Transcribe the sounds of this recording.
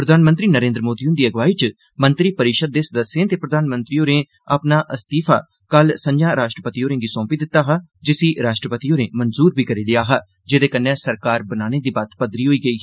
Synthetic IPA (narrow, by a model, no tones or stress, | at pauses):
pɾəd̪ʱaːnmənt̪ɾiːnəɾẽːnd̪ɾəmoːd̪iːʊnd̪iːəɡʋaːiːt͡ʃ | mənt̪ɾiːpəɾɪʃəd̪̚ːeːsəd̪əsːẽːt̪eːpɾəd̪ʱaːnmənt̪ɾiːoːɾẽː | əpnaːʔəst̪iːpʰa̰ː | kəlsənd͡ʒjaːɾaːʃʈɾəpət̪iːoːɾẽːɡiːsɔ̃ːmpiːd̪ɪt̪ːaːɦaːd͡ʒɪsiːɾaːʃʈɾəpət̪iːoːɾẽːmənzuːɾbʱiːkəɾiːlɪaːɦaː | d͡ʒeːd̪eːkənːɛ̃ːsəɾkaːɾbənaːneːd̪iːbat̪pəd̪ɾiːɦoːiːɡəiː